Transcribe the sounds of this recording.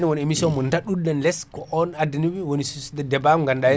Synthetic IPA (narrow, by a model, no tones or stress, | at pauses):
niwoniemisɔnmɔndaɗudanlɛskɔʔɔnadiniwiwonisusdɛdɛbamŋɡanɗajɛ